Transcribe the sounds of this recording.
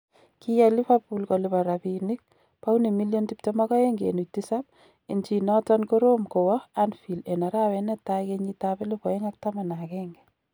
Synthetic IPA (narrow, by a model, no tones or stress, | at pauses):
kijalifapulkɔlɪbaɾapinik̚ | pawnimiljɔntip̚tɔmɔkɔeŋɡḛnutisap̚ | ent͡ʃinɔtɔnkoɾomkowɔanfilenaɾawɛnɛtajkeɲitabelɪpɔeŋak̚tamanakɛŋɡɛ